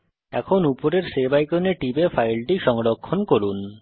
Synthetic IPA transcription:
ɛ̰kʰonupoɾeɾsebajkoneʈibefajlʈiʃɔŋɾokʰːonkoɾun

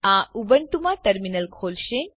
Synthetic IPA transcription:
ãubəɳʈumãʈəɾminəlkʰolʃẽ

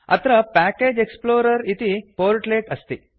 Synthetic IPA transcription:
ɐ̰t̪ɾɐpaːkeːd͡ʒeksploːɾɐɾit̪ipoːɾʈleːʈɐst̪i

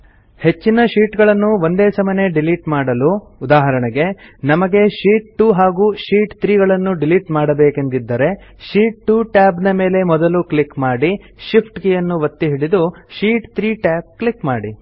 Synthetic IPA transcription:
he̞t͡ʃːinɐʃiːʈɡɐɭɐnːuʋond̪eːsɐmɐne̞ɖiliʈmaːɽɐlu | ud̪aːɦɐɾɐɳɛɡe̞nɐmɐɡe̞ʃiːʈ̚ʈuɦaːɡuːʃiːʈt̪ɾiːɡɐɭɐnːuɖiliʈmaːɽɐbeːke̞nd̪id̪ːɐɾe̞ʃiːʈ̚ʈuːʈaːbnɐme̞ːle̞mɔd̪ɐluklikmaːɽi | ʃipʰʈɡejɐnːuʋɐt̪ːiɦiɽid̪uʃiːʈt̪ɾiːʈaːp̚kɭikmaːɽi

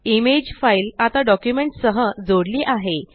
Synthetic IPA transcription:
imed͡ʑfajlat̪aɖɔkjumeɳʈsəɦəd͡zoɽliːʔaɦe

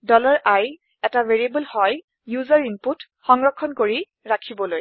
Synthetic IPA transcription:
dɔlɔɹʔaj | ɛtaveɹiebəlhɔj | juzaɹinput | xɔŋɹɔkʰːɔnkoɹi | ɹakʰibɔloj

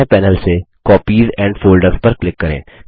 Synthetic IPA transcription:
epɛːnəlsekɔːpiːzɛ̃ːɳɖfoːlɖəɾzpɐɾklɪkːɐɾḛ̃ː

